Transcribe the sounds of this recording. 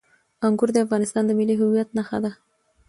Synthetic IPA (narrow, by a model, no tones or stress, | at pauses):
aŋɡʊɾd̪əafɣɑnɪst̪ɑnd̪əmɪliɦʊwijat̪̚naxa̰d̪a